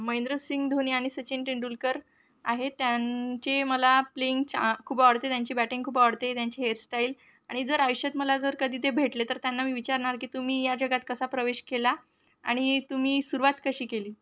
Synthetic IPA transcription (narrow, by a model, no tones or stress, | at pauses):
məẽnd̪ɾosiŋɡd̪ʱoniaɽ̃isət͡ɕenʈiɳɖulkəɾ | aɦet̪jat͡ɕeməlapleiŋɡt͡ɕkʰuːbʋəɽt̪et̪jaɲt͡ɕiːbæʈĩŋɡkʰuːbʋəɽt̪et̪jaɲt͡ɕiːɦeɾsʈail | aɽ̃id͡zəɾajɕət̪məlad͡zəɾkəd̪ʱiːt̪ebʱeʈlet̪əɾt̪janːamiːʋit͡ɕaɾɳaɾkiːt̪um̤iːjad͡ʑəɡat̪kəsapɾəʋeɕkela | a̰ɽ̃it̪um̤iːsuɾuʋat̪kəɕiːkeliː